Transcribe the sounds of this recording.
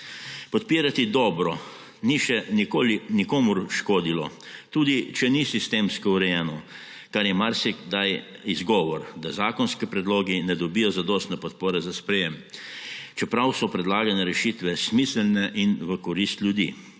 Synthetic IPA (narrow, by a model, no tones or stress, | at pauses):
pɔt̪̚piːɾat̪id̪ɔːbɾɔ | niʃɛnikoːlinikoːmuɾʃkoːd̪ilɔ̰ | t̪uːd̪it͡ʃɛnisist̪eːmskɔuɾɛjɛːnɔ | kaɾjɛmaɾsikd̪aj | izɡɔːʋɔɾd̪azaːkɔnskipɾɛd̪loːɡinɛd̪ɔbijɔzad̪ɔːst̪nɛpɔt̪poːɾɛzaspɾɛjɛm | t͡ʃɛpɾawsɔpɾɛd̪laːɡanɛɾɛʃit̪ʋɛsmislnɛʔinʋəkɔɾist̪ljud̪ḭ